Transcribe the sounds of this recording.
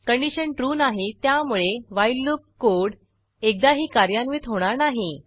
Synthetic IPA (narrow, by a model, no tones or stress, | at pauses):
kəɳɖiɕənʈɾuːnaɦet̪jamuɭeʋajlːuk̚koɽ | ek̚d̪aɦiːkaɾjanʋit̪ɦoɽ̃aɾnaɦi